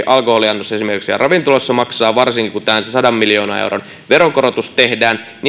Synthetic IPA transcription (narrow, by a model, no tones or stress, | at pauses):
ʔɑlkoholiɑnːosːɑesimerkiksijɑ̰rʔɑʋint̪olosːɑmɑksɑːʋɑrsiŋkikut̪æːænsesɑdɑmːiljo̞ːnɑ̰ḛwron | ʋeɾokoɾot̪ust̪t̪e̞hdæːn | ni